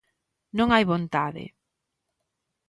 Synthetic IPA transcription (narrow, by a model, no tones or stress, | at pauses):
nõŋajβont̪aðɪ̰